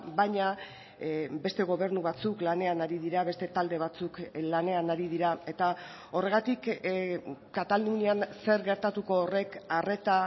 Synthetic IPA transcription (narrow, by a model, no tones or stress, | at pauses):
bajɲa | be̞st̪e̞ɣ̞o̞βe̞ɾnuβat͡suklane̞anaɾiðiɾaβe̞st̪e̞t̪ald̪e̞β̞at͡suklane̞anaɾið̞iɾae̞t̪a | o̞re̞ɣat̪ik | kːat̪alunianse̞ɾɣe̞ɾt̪at̪uko̞ːre̞kare̞t̪a